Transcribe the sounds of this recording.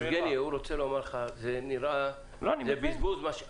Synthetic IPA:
ɡenjeuɾot͡selomaɾleχazeniɾa | lonizebizbuzmaʃe

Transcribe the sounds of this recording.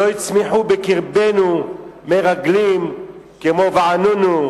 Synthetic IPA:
ojt͡smiħubɪkiɾbenumɛɾaɡlim | kɪmovaanunu

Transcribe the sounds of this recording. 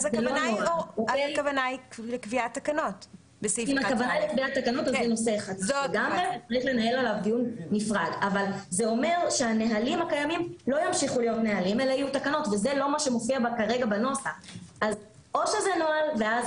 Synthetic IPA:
zzl | oekavanaiklekviat̪ːakanot | besiimakavanajlekviat̪ːakanot̪azeno̞seχad̪ɡamʁezet͡saʁiχle̞nae̞lalavdijunːifʁaɡavalzeo̞me̞ʁʃe̞aneɦalimhakajamimlo̞jamʃiχulijo̞t̪neɦalime̞laajut̪akano̞tvezelo̞maʃe̞mofiabakaʁeɡabano̞saaz | o̞ʃezenoalveaz

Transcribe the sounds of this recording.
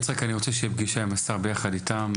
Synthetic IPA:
t͡sʁekaniʁot͡seʃeibɡiʃaemasaʁbe̞jaχaditam

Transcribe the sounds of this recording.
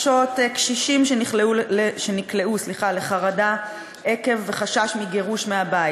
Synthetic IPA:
ʃotekʃiʃimʃeniχleuleʃenikle̞usliχale̞χaʁada | e̞ke̞vːeχaʃaʃmiɡe̞ʁuʃmeabaji

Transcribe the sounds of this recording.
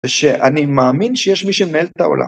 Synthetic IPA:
ʃeʔanimaːminʃejeʃmiʃemeelt̪ao̰lʔa̰

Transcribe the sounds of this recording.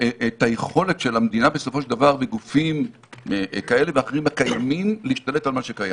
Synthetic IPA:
etajeχo̞le̞tʃe̞lamd̪inabesofo̞ʃedavaʁveɡufim | kae̞le̞veaχeʁimakajamimleiʃtale̞talmaʃekaja̰

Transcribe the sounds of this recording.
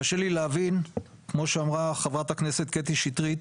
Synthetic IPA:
aʃelileavin | kmo̞ʃeamʁaχevʁat̪hakne̞se̞t̪̚ket̪iʃit̪ʁit̪

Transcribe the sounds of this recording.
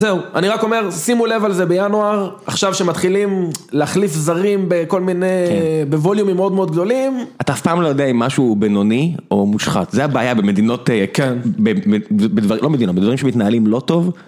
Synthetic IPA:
zeuaniʁako̞me̞ʁsimule̞valzebejanuaʁ | aχʃavʃemat̪χilimleaχlifzaʁimbeko̞lminebevoljumimeo̞d̪meo̞d̪̚ɡd̪o̞limat̪aːfpaːmlo̞jodeaimːaʃubeno̞nio̞muʃχa̰t̪zeabeajabemed̪ino̞t̪ekenbeebed̪vaʁilomed̪inot̚bed̪vaʁimʃemit̪naalimlo̞to̞v

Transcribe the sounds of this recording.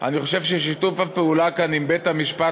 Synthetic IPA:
a̰niχo̞ʃe̞vʃeʃit̪ufapeulakanimbet̪hamiʃpa

